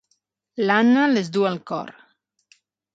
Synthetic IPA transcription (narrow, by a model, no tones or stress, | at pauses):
lanalezd̪ualkɔ̰ɾ